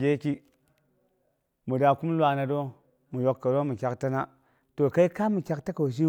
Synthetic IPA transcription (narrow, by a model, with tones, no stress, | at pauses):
ɡʲe˦ki˦ | mu˨da˨ku˦m˦lwa˨na˨do˦ | mu˨jo˦kːa˨do˦mu˨kʲa˦kta˦na˦ | to˨ka˦i˦ka˦mu˨kʲa˨k̚ta˦ka˨ʃ̬i˦